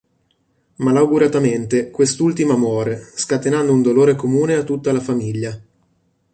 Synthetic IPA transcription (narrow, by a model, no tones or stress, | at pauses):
malawɡuɾat̪ament̪ekwest̪ult̪imamwɔːɾeskat̪enand̪ound̪oloːɾekomuːneat̪ːut̪ːalafamiʎːa